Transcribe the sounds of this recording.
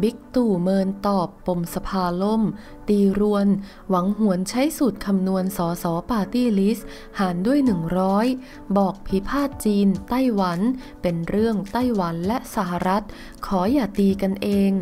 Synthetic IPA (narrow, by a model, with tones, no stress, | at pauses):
bi˦˥k̚t̪uː˨˩mɤː˧nt̪ɔː˨˩pːo˧˩msa˧pʰaː˧lo˥˩m | t̪iː˧ɾu˧ən | wa˩˦ŋhu˩˦ənt͡ɕʰa˦˥jsu˨˩t̪̚kʰa˧mnu˧ənsɔː˩˦sɔː˩˦paː˧t̪iː˥˩li˦˥s | haː˩˦ndu˥˩əjnɯ˨˩ŋɾɔː˦˥j | bɔː˨˩k̚pʰi˦˥pʰaː˥˩t̪̚t͡ɕiː˧nt̪a˥˩jwa˩˦n | pe˧nɾɯ˥˩əŋt̪a˥˩jwa˩˦nlɛ˦˥ʔsa˧˩ɦa˧ɾa˦˥t̪̚ | kʰɔː˩˦jaː˨˩t̪iː˧ka˧nʔeː˧ŋ